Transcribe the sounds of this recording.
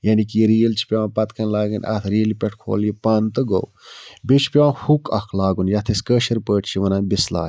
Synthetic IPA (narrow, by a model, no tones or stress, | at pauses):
jɐnikiɾiːɐlt͡ʃʰi̥pʲaːãpɐt̪kʰɐnlaːɡɐnʲʔɐ̰t̪ʰɾiːɐlipʲɛʈʰkʰo̰ːljipɐːnt̪ɨɡo̰wbit͡ʃʰpʲoãhukʰɐkʰlaːɡunjɐt̪ʰeskəːʃɐɾpəːʈʰt͡ʃʰiʋɐnaːnbisla̰ːj